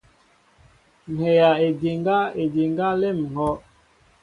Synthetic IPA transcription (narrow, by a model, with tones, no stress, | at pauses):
n̩˨he˨ja˨e˨de˨ŋ˦ɡa˦e˨d͡ʒe˨ŋɡa˦le˦˨m˨ŋɔ˦